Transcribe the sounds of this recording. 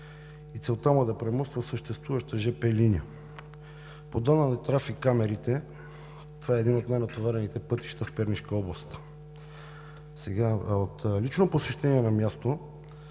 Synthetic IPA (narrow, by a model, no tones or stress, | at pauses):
it̪sɛlˠt̪amʊd̪ɐpɾɛmɔst̪vəsəʃt̪ɛst̪vuvɐʃt̪əʒɛpɛliniə | pod̪anənat̪ɾafikːamɛɾit̪ɛ | t̪ovaɛːd̪inot̪najnɐt̪ovaɾɛnit̪ɛpɤt̪i̥ʃt̪əfpɛɾniʃkəɔblˠɐst̪ | sɛɡaot̪lit͡ʃnoposɛʃt̪ɛniɛnɐmjast̪o